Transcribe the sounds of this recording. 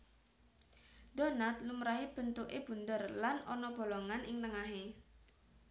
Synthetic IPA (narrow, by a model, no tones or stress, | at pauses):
d̪̥ɔ̤nat̪lumɾaɦib̥ə̤nt̪uʔeb̥ṳnd̪ərlanɔnɔb̥o̤lɔŋanʔɪŋt̪əŋaɦe